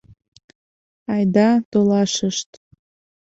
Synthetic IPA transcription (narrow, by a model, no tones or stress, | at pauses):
ɑjd̪ɑt̪olɑʃəʃt̪